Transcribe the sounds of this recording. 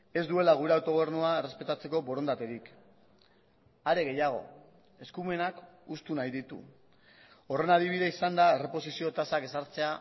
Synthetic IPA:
e̞zd̪ue̞laɣ̞uɾeawt̪o̞ɣ̞e̞ɾnuae̞re̞spe̞t̪at͡se̞ko̞bo̞ɾo̞nd̪at̪e̞ɾik | aɾe̞ɣ̞e̞jaɣ̞o̞̰ | e̞skume̞nakust̪unajðit̪ṵ | o̞re̞naðiβiðeisand̪ae̞re̞po̞sisio̞t̪asake̞saɾt͡se̞a

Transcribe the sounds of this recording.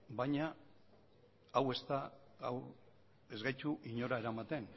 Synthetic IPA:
bajɲa | we̞st̪a | a̰w | e̞zɣajt͡ʃuʔiɲo̞ɾae̞ɾamat̪e̞n

